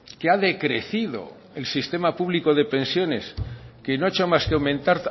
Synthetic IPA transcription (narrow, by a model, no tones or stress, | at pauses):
keaðe̞kɾe̞̰θiðo̞̰ | elsist̪e̞mapuβ̞liko̞ð̞e̞pẽ̞nsjo̞ne̞ske̞noet͡ʃomaskeawmẽnt̪aɾ